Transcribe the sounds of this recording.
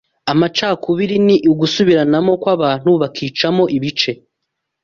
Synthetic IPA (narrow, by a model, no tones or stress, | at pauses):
amat͡ʃaːkʰuβiɾiniʔuɡusuβiɾanamo̞kwaβaːn̥huβakʰiːt͡ʃamo̞ʔiβit͡ʃe̞